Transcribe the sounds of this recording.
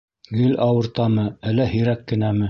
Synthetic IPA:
ɡɘlɑwɤ̆ɾt̪ɑmɤælːæhɘ̆jɾækːɘ̆næmɘ

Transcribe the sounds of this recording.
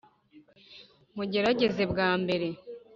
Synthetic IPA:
muɟe̞ɾaɟe̞ze̞bɡaːmbe̞ɾe̞

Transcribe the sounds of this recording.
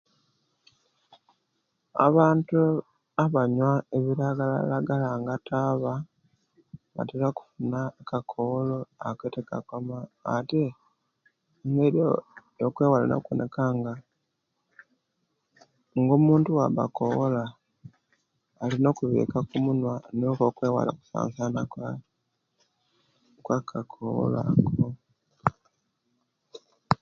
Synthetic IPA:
a̰βaːntu | aβaɲwaeβiɾaɡala̰laɡalaŋɡataːβa | βa̰telaku̥funakakʰoloakweteka̰komaːte̞ | ŋɡeɾo | okwe̞ːwala̰no̰kwo̰nʔekaŋɡa | ŋɡoːmuːntuwaβa̰koβola | lino̞kuβḛːkakumunwanokokweːwa̰la̰ku̥sa̰ːnsana | kwakʰakʰoo̰la̰ko

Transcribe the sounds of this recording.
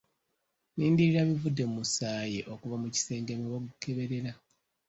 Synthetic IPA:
niːndiɾiɾaβivudːe̞musaːjeʔo̞kuβamuci̥se̞ːŋɡemoβoɡuke̞βeɾe̞ɾa

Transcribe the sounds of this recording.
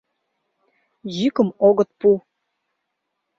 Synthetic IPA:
ʑykə̆moɣə̆t̪̚pu

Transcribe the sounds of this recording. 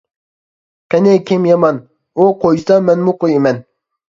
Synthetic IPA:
kɛnekʲʰemjɑmɑn | oqʰojsɑmɛnmʊqojemɛn

